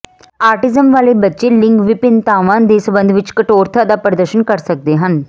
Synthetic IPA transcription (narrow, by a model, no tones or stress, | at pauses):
aːɾʈɪzəmʋaːlebɐtːʃelɪ̃ŋɡʋɪpɪnt̪aːʋãnd̪eːsəbə̃nd̪ʱʋɪt͡ʃkəʈoːɾt̪ʰəd̪apɾəd̪əɾʃənkɐɾsɐk̚d̪eɦən